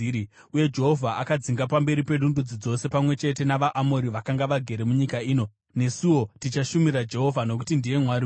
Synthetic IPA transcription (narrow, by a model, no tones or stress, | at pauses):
uje̞d͡ʒe̞ɦo̞vʱaʔakad͡ziŋɡapambe̞ɾipe̞ɗundud͡zid͡zo̞se̞pamwe̞t͡ʃe̞t̬e̞naʋaʔamo̞ɾiʋakaŋɡaʋaɡʱe̞ɾe̞muɲikaiːno̞ | ne̞siwo̞tit͡ʃaʃumirad͡ʒe̞ɦo̞vʱano̞kutindije̞mwari